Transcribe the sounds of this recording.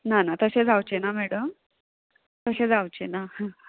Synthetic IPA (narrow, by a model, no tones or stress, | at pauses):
nanat̪əɕed͡zawt͡ɕenamɛɽəm | t̪əɕed͡zawt͡ɕena